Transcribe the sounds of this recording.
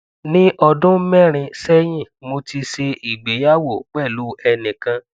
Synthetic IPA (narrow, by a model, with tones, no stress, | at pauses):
nĩ˦ʔɔ˧dʊ̃˦mɛ˦˨ɾ̃ĩ˧sɛ˦j̃ĩ˦˨mo˧ti˧ʃe˧i˨ɡ͡be˨˦ja˦wo˦˨k͡pɛ˦˨lu˨˦ɛ˧nĩ˨kã˧